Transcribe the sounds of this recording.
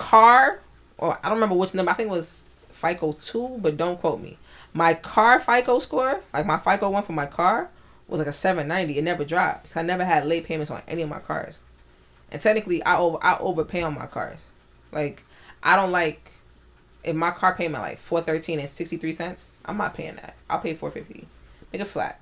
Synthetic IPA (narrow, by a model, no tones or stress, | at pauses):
kʰɑɹ | ʔə̰˞aɪɾõnɹmɛ̃mbə˞wɨt͡ʃnʌ̃mbə˞aɪθɪ̃kɪk̚wʌz̥ | faɪkoʊtʰubʌt̚d̥õʊ̃nkʰwoʊt̚mḭ | maɪkʰɑɹfaɪkoʊskɔɹlaɪk̚maɪfaɪkoʊwʌ̃nfə̃maɪkʰɑɹ | wʔʌzlaɪkɨsɛvɨ̃nːãɪ̃ndiɨtⁿnɛvə˞dɹab̥ɨkʰʌzaɪnɛvə˞ɨdˡleɪpʰẽɪ̃mɨ̃nsn̩ɛ̰niʌvma̰ɪkʰɑ̰ɹz̥ | ʔɨ̰̃ntʰɛk̚nɨkliʔa̰ɪoʊvʔa̰ɪʔo̰ʊvə˞pʰeɪə̃nma̰ɪkʰɑ̰ɹz̥ | laɪk | ʔaɪɾõʊ̃nʔlaɪk̚ | ʔɨfmaɪkʰɑɹpʰeɪmɨ̃nʔla̰ɪkfɔɹθɜ˞tʰĩnɨ̃nsɪkstiθɹisɛ̃ntsʔãɪ̃mna̰t̚pʰeɪɪ̰̃ŋðæ̰t̚ʔaɪlˠpʰeɪfɔ̰ɹfɪftḭmeɪkɨtflæ̰t̚